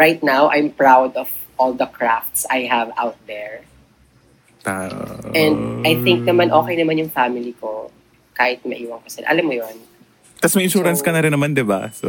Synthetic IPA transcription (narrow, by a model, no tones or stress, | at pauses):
ɹajt̪̚nawʔajmpɹawd̪ɔv | ʔɔld̪ɐkʰɹaft̪sajɦɐvʔa̰wt̪̚d̪ɛɹ | aʔʔɛ̃nd̪̚ʔɐjθɪŋk̚nɐmanʔo̞ːkɛjnɐmanjʊŋfamɪliko | kaːhɪt̪̚mɐ̰ʔiːwɐŋkɐsɛlʔɐ̰lamːojon | kɐsmɐjʔɪnʃuːɾɐnskɐnɐɾɪnːɐmand̪ɪba̰so